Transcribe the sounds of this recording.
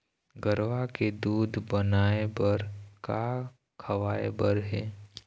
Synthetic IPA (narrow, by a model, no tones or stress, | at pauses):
ɡəɾʋaked̪uːd̪ʱbənaːebəɾka | kʰəʋaːḛbəɾɦɛː